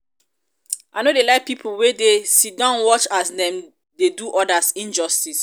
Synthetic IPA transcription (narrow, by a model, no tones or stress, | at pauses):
ʔaɪnodelaɪk̚pipʰolwedesidãnwɔt͡ʃasdɛ̃m | deduʔɔdasĩnd͡ʒɔstis